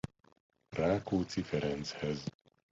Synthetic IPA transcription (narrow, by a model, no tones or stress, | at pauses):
raːkoːt̪sifɛɾɛnt̪shɛz